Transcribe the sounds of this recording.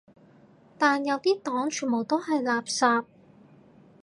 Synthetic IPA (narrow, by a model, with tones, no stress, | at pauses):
t̪aː˨˧njɐ˨˧wt̪iː˥t̪ɔː˨˥ŋt͡ʃʰy˨˩nmo˨˩wt̪o˥whɐ˨jlaː˨p̚saː˧p̚